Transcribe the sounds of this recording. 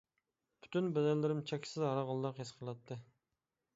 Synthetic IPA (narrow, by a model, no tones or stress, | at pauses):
b̥ʰy̥t̪ʰynbɛd̪æɾlɪɾɪmt͡ʃʰɛkʲsɪzɑɾɑʁɑlˠːɑqhesqʰəlˠɑt̪ʰːɨ